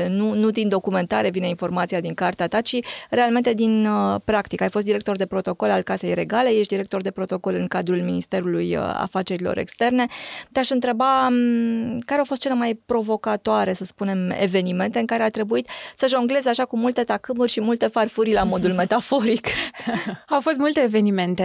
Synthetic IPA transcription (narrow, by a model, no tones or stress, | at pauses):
nunud̪ind̪o̞kume̞nt̪aɾe̞vine̞info̞rmat̪sijad̪iŋkart̪eat̪at͡ʃiɾe̞alme̞nt̪e̞d̪inəpɾakt̪ikajfost̪d̪iɾe̞k̚t̪o̞rd̪e̞pɾot̪o̞ko̞lalkase̞jre̞ɡale̞jeʃ̬td̪iɾe̞k̚t̪o̞rd̪e̞pɾo̞t̪o̞ko̞lɨŋkad̪ɾulminist̪e̞ɾuluj̰a̰fat͡ʃe̞ɾilo̞̰ɾe̞̰kst̪e̞rne̞t̪eaʃɨnt̪ɾe̞ba | kaɾeawfost̪̚t͡ʃele̞majpɾo̞vo̞kat̪oaɾe̞səspune̞mḛve̞nime̞nt̪e̞ɨŋkaɾe̞at̪ɾe̞buit̪səʒo̞ŋɡle̞zeaʃakumult̪e̞t̪akɨmurʲʃimult̪e̞farfuɾʲlamo̞d̪ulme̞t̪afo̞ɾik | awfo̞st̪mult̪eːve̞nime̞nt̪e